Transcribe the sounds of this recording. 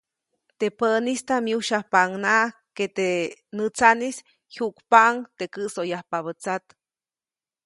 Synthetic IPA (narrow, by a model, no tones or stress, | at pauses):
t̪epəʔnist̪amjuʃahpaŋnaket̪enɨt͡sanis | huʔkpaʔŋt̪ekɨʔsojahpaβət͡sat̪